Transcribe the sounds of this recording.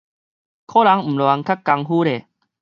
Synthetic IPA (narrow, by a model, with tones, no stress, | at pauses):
kʰɔ˦la˨˦ŋm̩˨˩lwa˨˧˦ŋkʰa˦kkːa˧ŋɦuː˦ɾe˨